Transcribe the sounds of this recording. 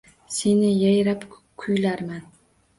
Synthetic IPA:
se̞nɪjajɾap | kʰʊjlaɾman

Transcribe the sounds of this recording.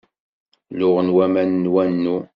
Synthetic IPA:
lʊʁənwæmænːwænːu

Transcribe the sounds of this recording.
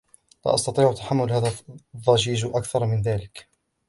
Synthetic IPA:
la̰ʔɑ̰st̪ɑt̪ˤiːʕʔt̪ːḁħamːʊlhaːðaðˤːɑd͡ʒiːd͡ʒʔakθɑɾˤmɪnðaːlɪk

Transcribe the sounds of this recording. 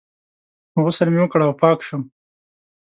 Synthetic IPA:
ɣusaɾmiwəkɽawpɑːkʃum

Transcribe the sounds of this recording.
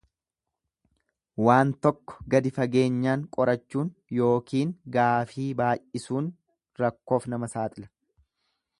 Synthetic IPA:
waːnt̪ɔkːɔ̥ɡɐd̪ɪfɐɡe̞ːɲːaːŋkʼɔɾɐt͡ʃːuːnjo̞ːkiːŋɡaːfiːbaːjʔɪsuːn | ɾɐkːo̞ːfnɐmɐsaːt̪ʼɪlɐ̥

